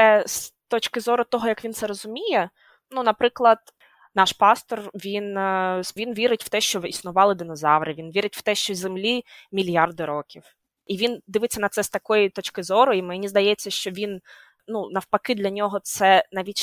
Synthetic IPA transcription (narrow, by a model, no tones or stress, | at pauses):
ɛst̪ɔt͡ʃkɪzɔɾʊt̪ɔɦɔjɐkʋʲint̪sɛɾɔzʊmʲijɛ | nunɐpɾɪklˠɐd̪ | nɑʃpɑst̪ɔrʋʲinsʋʲinʋʲiɾɪtʲw̥t̪ɛʃt͡ʃɔisnʊʋɑlˠɪd̪ɪnɔzɑwɾɪʋʲinʋʲiɾɪtʲw̥t̪ɛʃt͡ʃɔzemlʲimʲilʲjɑrd̪ɪɾɔkʲiw | iʋʲind̪ɪʋɪt͡sʲːɐnɐt̪sɛst̪ɐkɔjit̪ɔt͡ʃkɪzɔɾɔimenʲizd̪ɐjɛt͡sʲːɐʃt͡ʃɔʋʲin | nunɐwpɐkɪd̪lʲɐnʲɔɦɔt̪sɛnɑʋʲitʲ